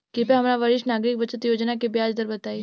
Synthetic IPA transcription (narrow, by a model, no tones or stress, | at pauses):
kipeɦɐmɾaʋəɾɪʃʈnaːɡɾɪk̚bɐt͡ʃət̪joːd͡ʒnakebjaːd͡ʒd̪əɾbɐt̪aːi